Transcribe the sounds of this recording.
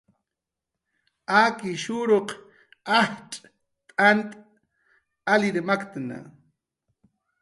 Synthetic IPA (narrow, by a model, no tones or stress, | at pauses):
aːkɪʃuɾoq | ahʈ͡ʂʼ | t̪ʼant̪ʼ | alɪɾmakt̪na̰